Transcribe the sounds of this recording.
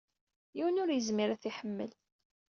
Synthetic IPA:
jiwənʊɾjəzmiɾæθiħəmːə̰l

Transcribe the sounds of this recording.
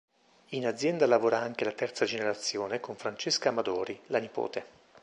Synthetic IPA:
inad̪zːjɛnd̪alavoːɾaaŋkelat̪ɛrt̪sad͡ʒeneɾat̪sːjoːnekoɱfɾant͡ʃeskamad̪ɔːɾilanipo̰ːt̪e

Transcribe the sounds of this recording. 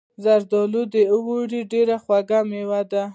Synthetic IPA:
zaɾd̪ɔlud̪euwoɽiɖeɾaxwaɡamewad̪a

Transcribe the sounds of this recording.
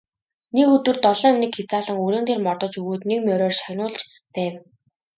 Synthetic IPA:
nekɵt̪wɵ̆rt̪ɔɮɞ̆ŋmnɘ̆kxet͡saːɮə̆ŋɵɾeːnt̪eːrmɔrt̪ɞ̆t͡ɕɵɣuːt̪nekmʲjœɾʲɔːrʃajnʊːɮt͡ɕ | pæːw

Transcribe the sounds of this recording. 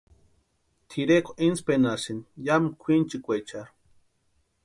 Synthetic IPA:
t̪ʰiɾekʰoʔinspenasinjamkʷʰint͡ʃikʷet͡ʃaɾ

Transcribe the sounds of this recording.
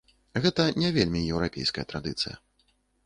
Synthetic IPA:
ɣɛt̪ɐnʲɛvʲelʲmʲijɛwɾapʲḛjskɐjɐt̪ɾad̪ɨt̪sɨ̰jɐ̰

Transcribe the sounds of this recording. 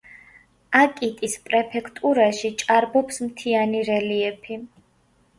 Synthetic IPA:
akʼit̪ʼispʼɾɛpʰɛkʰt̪ʼuɾaʃit͡ʃʼaɾbɔpsmt̪ʰianiɾɛliɛpʰi

